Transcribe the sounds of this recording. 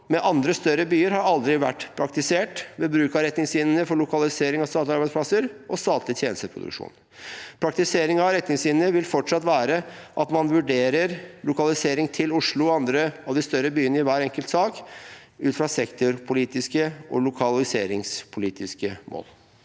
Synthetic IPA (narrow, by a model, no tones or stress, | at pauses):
mɛʔɑnd̪ɾəst̪œɾːəbyːəɾhɑɾɑld̪ɾɪʋæʈːpʰɾɑk̚t̪ɪseːʈʋɛbɾʉːkɑɾɛt̪nɪŋsɪnnəfɔɭʊkɑlɪseːɾɪŋɑst̪ɑːt̪lɪɑɾbæɪspʰlɑsəɾʔɔst̪ɑːt̪lɪt̪ʰjeːnəst̪əpʰɾʊ̰d̪ʉ̰kʂṵːn | pʰɾɑk̚t̪ɪseːɾɪŋɑɾɛt̪nɪŋsɪnnəʋɪlfɔʈʂɑt̪ʋæːɾəʔɑt̪mɑnʋʉɖeːɾəɾlʊkɑlɪseːɾɪŋt̪ʰɪlʊʂɭʊɔɑnd̪ɾəɑʋd̪ɪst̪œɾəbyːənəɪʋæːɾɛŋkəlt̪sɑːk | ʉːt̪fɾɑsɛkt̪ʊɾpʰʊliːt̪ɪskəʔɔ̰lʊkʰɑlɪsḛːɾɪŋspʰʊliːt̪ɪskəmʔo̰ːl